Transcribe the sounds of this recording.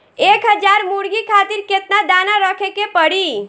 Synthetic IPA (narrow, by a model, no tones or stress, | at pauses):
ekɦəd͡ʒaɾmuɾɡikʰat̪iɾket̪nad̪anaɾəkʰekepəɽi